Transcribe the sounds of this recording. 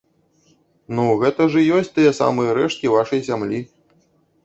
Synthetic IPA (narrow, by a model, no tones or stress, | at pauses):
nuɣɛt̪ɐʐɐjɔsʲt͡sʲt̪ɨjɛsa̰mɨjɐɾɛʂt̪̚kʲivaʂɐjsʲamlʲi